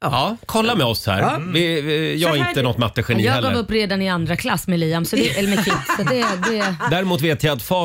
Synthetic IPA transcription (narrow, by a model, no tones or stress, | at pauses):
ɑkʰɔlːamɛɔshæ̰ːɾvɪjɑːaɪnt̪ənɔt̪ːmat̪ːəɧɛnijɑːɡɛlɡɑːvɵpːɾeːd̪anɪand̪ɾakʰlasːmɛliːamsɔd̪ɛɛlːəɾmɛkʰɪt̪ːsɔt̪d̪ɛd̪ɛd̪æːɾɪmuːt̪veːt̪jaat̪fɑː